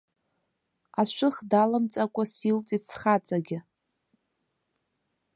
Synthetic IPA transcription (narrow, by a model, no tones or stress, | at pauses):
aʃʷʊχdalamt͡sʼakʷʼasilt͡sʼit͡sʰχat͡sʼaɡʲɪ